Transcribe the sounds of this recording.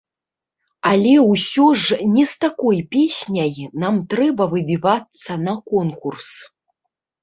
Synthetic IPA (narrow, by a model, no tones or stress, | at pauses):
alʲɛwsʲɔʐnʲɛst̪akɔjpʲesʲnʲɐjnamt̪ɾɛbɐvɨbʲivat̪sːɐnɐkɔnkurs